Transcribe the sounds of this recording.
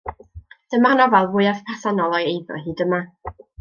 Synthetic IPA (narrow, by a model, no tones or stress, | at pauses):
d̥əmarnɔvalˠvʊjaðpʰasanɔlˠɔjejðɔ̰ɦiːdəma